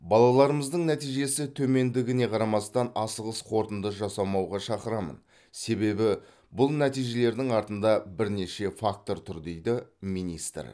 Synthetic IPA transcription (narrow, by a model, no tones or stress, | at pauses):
bɑlˠɑlˠɑɾəməzd̪əɴnæt̪ijʒe̞sɪt̪ʰɵme̞nd̪ɪɡʲɪne̞qʰɑɾɑmɑst̪ɑnɑsəʁəsqʰo̞ɾt̪ənd̪əʒɑsɑmɑwʁɑʃɑqəɾɑmə̰n | se̞be̞bɪ | bʊlˠnæt̪ijʒe̞le̞ɾd̪ɪŋɑɾt̪ənd̪ɑbɪɾne̞ʃe̞fak̚t̪o̞ɾt̪ʰʊɾd̪e̞jd̪ɪmijnist̪r